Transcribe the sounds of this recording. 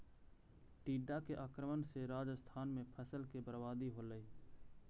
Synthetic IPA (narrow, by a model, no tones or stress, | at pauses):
ʈiːɖakeʔaːkɾəmənseɾaːd͡ʒəst̪ʰaːnmẽpʰəsəlkebəɾbaːd̪iɦoːləiː